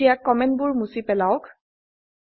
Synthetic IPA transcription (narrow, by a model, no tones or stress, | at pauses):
ijakːɔmɛnt̚bʊɹmusipɛlaʊk